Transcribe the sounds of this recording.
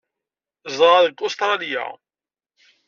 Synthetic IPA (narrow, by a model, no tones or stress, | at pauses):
zˤʁɑðəkːost̪ɾˤɑlija̰